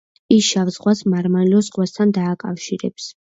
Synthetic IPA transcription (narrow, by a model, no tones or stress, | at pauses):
isʃavzʁwasmaɾmaliɔzʁwast̪ʰand̪aːkʼafʃiɾɛ̰ps